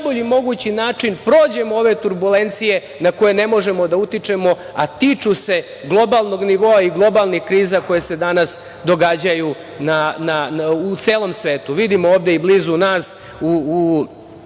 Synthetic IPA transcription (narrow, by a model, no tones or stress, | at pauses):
nboʎimo̞ɡut͡ɕinaːt͡ʂinpɾo̞ːd͡ʑe̞moo̞ʋe̞t̪uɾbule̞nt̪sije̞ | nakojene̞mo̞ʒe̞mo̞d̪aut̪it͡ʂe̞mo̞ | a̰t̪it͡ʃuse̞ | ɡlˠo̞balˠno̞ɡniʋo̞ːaiɡlˠo̞balˠnixkɾiːzako̞jese̞d̪anas | d̪o̞ɡad͡ʑaju | nanaut̪se̞ːlo̞msʋe̞ːt̪uʋid̪imooːʋd̪eibliːzunaːs | u